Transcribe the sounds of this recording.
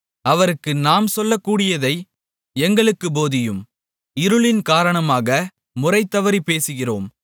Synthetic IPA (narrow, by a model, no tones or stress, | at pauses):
ɐʋɐɾɯkːɯnaːmsɔlːɐkːuːɽɪjɐðɐɪ | ɛŋɡɐɭɯkːɯboːðɪjɯm | ɪɾɯɭɪnkaːɾɐɳɐmaːɣɐ | mʊrɐɪt̪ːɐʋɐɾipeːsɯɣɪroːm